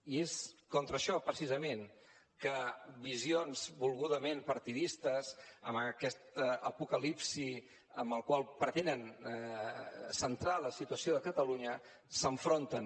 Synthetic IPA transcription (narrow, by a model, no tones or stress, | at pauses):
ieskɔnt̪ɾəʃɔpɾəsizəmen | kəβizionzbulˠɣuðəmempəɾt̪iðist̪əzəməkɛst̪əpukəlipsi | əmbəlˠkwalˠpɾət̪enən | sənt̪ɾaləsit̪uəsioðəkət̪əluɲə | səɱfɾont̪ən